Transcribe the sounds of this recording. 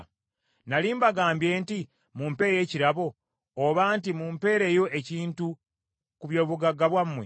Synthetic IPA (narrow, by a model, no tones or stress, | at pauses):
naliːmbaɡaːmbje̞ːnti | mumpe̞ːje̞ːciɾaβo̞ː | βaːnt̬imumpe̞ːɾe̞jo̞ʔe̞ciːntu | kuβjo̞ːβuɡaɡaβwamːwḛ